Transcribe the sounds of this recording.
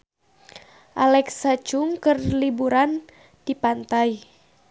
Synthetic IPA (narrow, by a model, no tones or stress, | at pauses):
ʔalɛksat͡ʃuŋkərlibuɾan | d̥ipant̪aj